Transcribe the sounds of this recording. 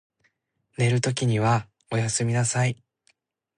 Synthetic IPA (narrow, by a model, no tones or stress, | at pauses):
ne̞ɾɯ̟t̪o̞kʲiɲ̟iβa | o̞jasɨmʲinasai